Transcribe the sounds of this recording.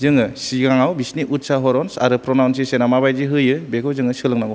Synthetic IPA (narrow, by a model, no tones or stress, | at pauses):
zɯŋɯsiɡaŋawbisniʔut̚saɦɔɾɔnsaɾɯpɾɔnawns̬isenamabajziɦɯjɯbekʰɯwzɯŋɯsɯlɯŋnaɡɔ